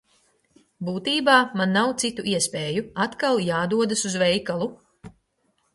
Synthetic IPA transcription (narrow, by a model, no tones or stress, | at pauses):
buːt̪iːbaːmanːawt̪sit̪uʔiɛspʲeːjuat̪kalˠjaːd̪uɔd̪asuzvɛjkalˠu